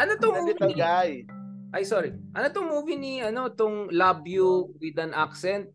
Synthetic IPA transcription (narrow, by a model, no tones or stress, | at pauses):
ʔɐnot̪oŋvit̪ɐɡajʔɐjsoɾiʔɐnot̪oŋmuːviniɐno̞ɪt̪oŋlabjuwɪd̪ɐnʔaksɛnt̪̚